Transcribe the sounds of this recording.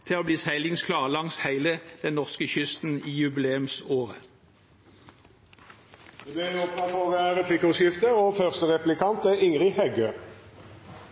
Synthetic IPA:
t̪ʰɪoːbliːsæɪlɪŋskʰlɑːʁlɑŋshæɪləd̪̥ɛnnɔʁskəçʏst̪n̩iːjʉbɪleːʉmsoːʁə | d̪eb̪eʁɔpɑnoːɡəæʁəpʰlɪkɔsɪft̪əʁoːfœʁst̪əʁɛplɪkʰɑnt̪əʔɪŋʁɪhɛɡøː

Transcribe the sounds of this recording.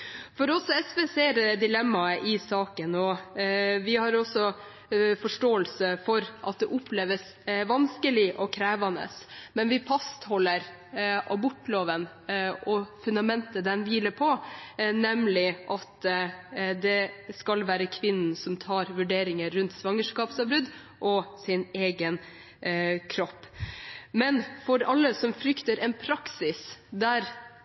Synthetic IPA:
fɔɾɔsɔɛsʋeːseːɾd̪ɪlɛmːɑʔɪsɑːkənɔ | ʋɪhɑɾɔsɔ | fɔʂʈoːəlsəfɔɾʔɑ̰t̪̚d̪ɛʔʊpleːʋəs | ʋɑnskəlɪʔɔkʰɾæːʋɑnə̰smɛnʋɪfɑst̪hɔlːəɾ | ʔɑbʊʈːloːʋən | ɔfʉnd̪ɑmɛnt̪əd̪ɛnʋiːləpʰɔnɛmlɪʔɑt̪ | d̪ɛskɑlʋæːɾəkʰʋɪnn̩sɔmt̪ʰɑːɾʋʉɖeːɾɪŋəːʉnt̪sʋɑŋəʂkɑːpsɑʋbɾʉd̪ | ʔɔsɪneːɡən | kʰɾɔpːmɛnfɔɾɑlːəsɔmfɾʏkt̪əɾɛnpʰɾɑksɪsd̪æɾ

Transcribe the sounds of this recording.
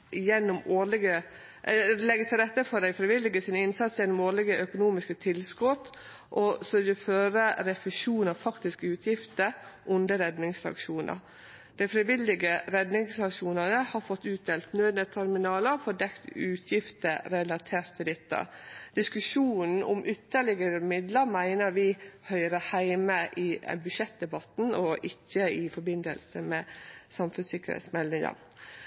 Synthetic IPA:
ʔɪjɛnːʊmoːɭɪɡə | lɛɡət̪ʰɪlɾɛt̪ːəfɔd̪æɪfɾɪʋɪlːɪɡəsɪnɪnsɑt̪sjɛnːʊmoːɭɪɡəʔœkʊnuːmɪskət̪ʰɪlskɔt̪ | ʔɔsɔɪləføːɾəɾɛfɪʂuːnɑʋfɑkt̪ɪskəʉːt̪ʰjɪft̪əɾʔʊnd̪əɾɛd̪nɪŋsɑ̰kʂuːnʔə̰ɾ | d̪̥æɪfɾɪʋɪlːɪɡəɾɛd̪nɪŋsɑkʂuːnənəhɑɾfɔt̪ːʉːt̪̚d̪eːlt̪nøːd̪nət̪ʰæɾmɪnɑːləfɔdɛkt̪ʉːt̪ʰjɪft̪əɾɛlɑt̪ʰeːɾt̪ʰːɪd̪ɪt̪ʰːə̰d̪̥ɪskʉʂuːnn̩ɔ̰mʔʏt̪ːəɭɪɡəɾəmɪd̪ləɾmæɪnəɾʋɪhœʏɾəhæɪməʔɪɛ̰bʉʂɛt̪̚d̪ɛbɑt̪n̩ɔʔɪçːəɪfɔɾbɪnd̪ə̰lsəmeːsɑmfʉsɪkːəɾhɛ̰ɪt̪smɛld̪ɪŋə̰ɾ

